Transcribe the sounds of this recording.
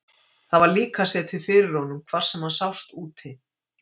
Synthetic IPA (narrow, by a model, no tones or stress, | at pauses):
θaðvaɾliːkasɛːðt̪ʰɪlfɪːɾɪɾ̥hɔnʏmkʰv̥aɾ̥sɛmhansawst̪uːt̪hɪ